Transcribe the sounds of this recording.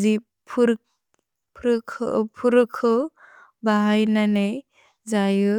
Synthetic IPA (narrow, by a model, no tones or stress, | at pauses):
zi | pʰuɾ̚ | pʰɾɯkʰɯpʰuɾɯkʰɯ | baɦajnanej | zajɯ